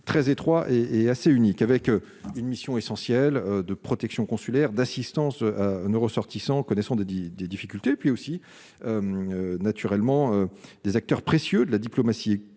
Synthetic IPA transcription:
t̪χɛzet̪χwaʔeeaseynikavɛkø | ynmisjɔ̃esɑ̃sjɛlød̪əpχɔt̪ɛksjɔ̃kɔ̃sylɛʁd̪asist̪ɑ̃søanoʁəsɔʁt̪isɑ̃kɔnɛsɑ̃d̪eid̪ed̪ifikʲylt̪epɥiosi | ømønat̪ʰyʁɛlmɑ̃ød̪ezak̚t̪œʁpχesjød̪əlad̪iplomasi

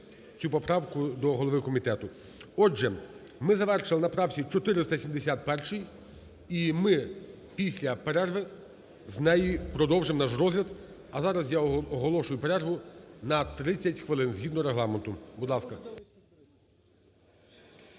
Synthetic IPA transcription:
t͡sʲupɔpɾɑwkʊd̪ɔɦɔlˠɔʋɪkɔmʲit̪ɛt̪ʊ | ɔd͡ʒɛ | mɪzɐʋɛrʃɪlˠɪnɐpɾɑwsʲit͡ʃɔt̪ɪɾɪst̪ɐsʲimd̪esʲat̪̚pɛrʃɨj | imɪ | pʲisʲlʲɐpeɾɛrʋɪ | znɛjipɾɔd̪ɔwʒɪmnɑʃɾɔzlʲɐd̪ | ɐzɑɾɐzjaɔɔɦɔlˠɔʃʊjʊpeɾɛrɦʊnɐt̪ɾɪt͡sʲːɐtʲxʋɪlˠɪnzɦid̪nɔɾeɦlˠɑment̪ʊbud̪lˠɑskɐ

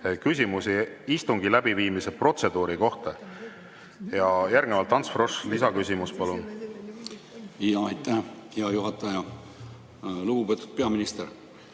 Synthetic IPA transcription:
kysʲimusiist̪uŋɡilæb̥iviːmisepro̞t̪se̞d̪̥uːɾiko̞ht̪ɑ | jɑjærɡ̥nevɑlt̪ːˑɑnsfro̞ʂlisɑkysʲimuspɑlun | ɑjt̪æhheɑjuɦɑt̪ːˑɑjɑ | luɡubet̪ːud̪̥̚pe̞ɑminist̪eɾ

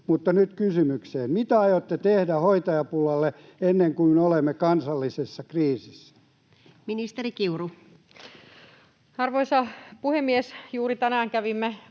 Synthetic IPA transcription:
mut̪ːɑnyt̪kysymykseːmmit̪æɑjot̪ːet̪ehdæhoit̪ɑjɑpulːɑlːe | enːeŋkuimeolemːekɑnsɑlːisesːɑkriːsisːæ̥ | minist̪eɾikiuru | ɑrʋoisɑpuhemːiesjuːrit̪ænæːŋkæʋimːe

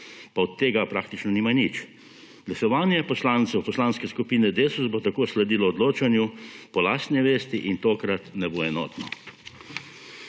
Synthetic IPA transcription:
paɔt̪ːeːɡapɾaːk̚t̪it͡ʃnɔniːmanit͡ʃ | ɡ̥lasɔʋaːnjɛpɔslaːnt̪sɛwpɔslaːnskɛskupiːnɛd̪eːsuzbot̪akoːslɛd̪iːlɔɔd̪loːt͡ʃanjupɔlaːst̪nɛʋeːst̪iʔint̪oːkɾat̪nɛboɛnɔ̰ːt̪nɔ

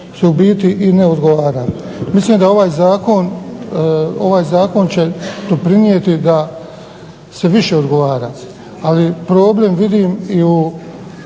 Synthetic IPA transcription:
seubiːt̪iʔine̞o̞d̪ɡo̞ʋaːɾa | misliːmd̪ao̞ʋaːjzaːko̞n | o̞ʋaːjzaːko̞nt͡ɕe̞d̪̥o̞pɾiniet̪id̪a | se̞ʋiʃe̞o̞d̪ɡo̞ʋaːɾa̰ː | alipɾo̞ːble̞mʋid̪iːmiu

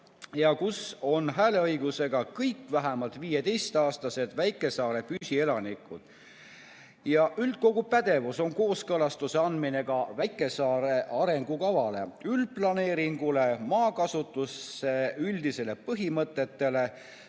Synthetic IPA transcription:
jɑkuso̞nɦæːle̞ɤjɡ̥use̞ɡ̥ɑkɤjkvæɦæmɑlt̪ˑviːje̞t̪e̞jst̪ɑːst̪ɑse̞d̪̥væjkːˑe̞sɑːɾe̞pysʲie̞lɑnikˑṵd̪̥ | jɑʔyld̪̥̚ko̞ɡ̥upæd̪̥e̞vuso̞ŋko̞ːskɤlɑst̪useɑnd̪mine̞ɡ̥ɑvæjkːˑe̞sɑːɾe̞ʔɑɾe̞ŋɡ̥ukɑvɑle̞̰ylplɑne̞ːɾiŋɡ̥ule̞mɑːkɑsut̪ːˑusːe̞yld̪̥ise̞le̞pɤɦimɤt̪ːˑe̞t̪ːe̞le̞

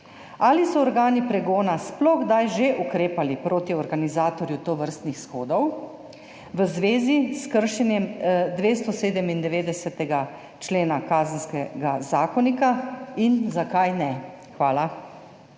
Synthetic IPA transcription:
alisɔːɾɡaːnipɾɛɡoːnasplɔɣɡd̪ajʒeʔukɾeːpalipɾoːt̪iɔɾɡanizaːt̪ɔɾjut̪oʋəɾst̪nixsxoːd̪ɔw | ʋəzʋeːziskəɾʃɛnjɛmd̪ʋeːst̪ɔseːd̪ɛmind̪ɛʋeːd̪ɛsɛt̪ɛɡa | t͡ʃleːnakaːzənskɛɡazaːkɔnikainzakajnɛ | xʋaːla

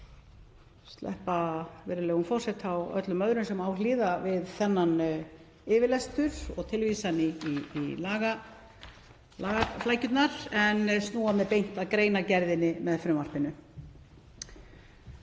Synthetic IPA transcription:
st̪lʔɛ̰hpavɛɾɪlɛːɣʏnfɔr̥sɛt̪ʰawœ̰t̪lʏmœðɾʏnsɛmaːwliːðavɪðθɛnːan | ɪvɪlɛst̪ʏɾ̥ɔ̰ɣt̪ʰɪlvisaniiːlaːɣa | laːɣaflaːjcʏt̪naɾɛnst̪uːamɛðpejn̥t̪aðkɾeːjnacɛɾðɪnːɪmɛðfɾʏmar̥pɪnːʏ

